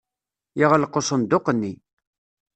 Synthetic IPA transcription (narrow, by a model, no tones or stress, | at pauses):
jiʁəlqːosˤənd̪oqənːi